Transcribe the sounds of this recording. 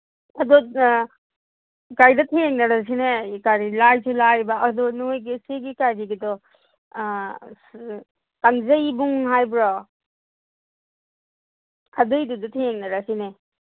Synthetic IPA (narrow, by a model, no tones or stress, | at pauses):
ɐdɔ | kajdɐtʰeŋnɐɾas̬ineikaɾilajsʰulajbaːdɔnojɡeseɡikajɾiɡidɔ | taŋzɐjbuŋɦajbɾɔ | kʰadɯjdudutʰeŋnɐɾasine